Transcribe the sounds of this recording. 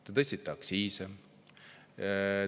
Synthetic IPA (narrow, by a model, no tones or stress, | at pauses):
t̪et̪ɤsʲt̪it̪ːˑɑksiːse